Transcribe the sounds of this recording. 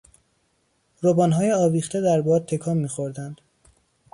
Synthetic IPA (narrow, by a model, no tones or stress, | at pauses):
ɾobɒːnɦɒːjeɒːviːxt̪e̞d̪æɾbɒːd̪̚t̪ʰːe̞kʰɒːmːiːxo̞ɾd̪ænd̪̥